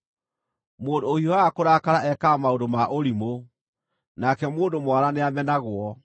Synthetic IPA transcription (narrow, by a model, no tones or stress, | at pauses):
moːndoohiɔaakoɾakaɾaʔɛkamaodomaʔoɾimo | nakɛmoːndomwaɾaneamɛnaɣwɔ